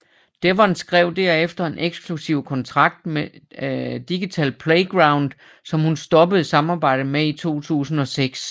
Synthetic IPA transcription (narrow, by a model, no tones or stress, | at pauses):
d̥eʋɑ̈ensɡ̥ʁɛʊd̥æɐ̰efd̥ɐe̝nʔeɡ̥sɡ̥ʰlusiʊ̰kʰɒ̽nt͡sʰʁɑ̈ɡ̥̚d̥me | d̥iɡ̥it͡sʰɛ̰ːlpʰleɪɡ̥ʁɑ̈ʊnd̥ | sɒ̽mhunsd̥ɒ̽b̥əð̩ˠsɑ̈mɑ̈ːb̥ɑ̈ɪ̰d̥̩meit͡sʰo̝̰ːt͡sʰṵːsn̩ɒ̽seɡ̥s